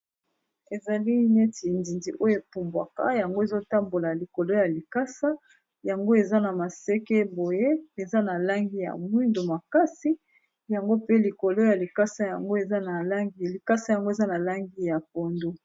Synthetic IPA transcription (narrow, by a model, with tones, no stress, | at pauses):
e˨za˨li˦ne˦ti˨ndi˨ndi˨ʔo˦jo˦e˨pu˨mbwa˨ka̰˦ja˨ŋɡo˦e˨zo˦ta˦mbo˨la˨li˨ko˨lo˦ja˨li˨ka˦sa˦ | ja˨ŋɡo˦e˨za˦na˨ma˨se˦ke˦bo˨je˦e˨za˦na˨la˦ŋɡi˦ja̰˨mwi˦ndo˨ma˨ka˦si˦ | ja˨ŋɡo˦pe˦li˨ko˨lo˦ja˨li˨ka˦sa˦ja˨ŋɡo˦e˨za˦na˨la˦ŋɡli˨ka˦sa˦ja˨ŋɡo˦e˨za˦na˨la˦ŋɡi˦ja˨p̚o˨ndo˦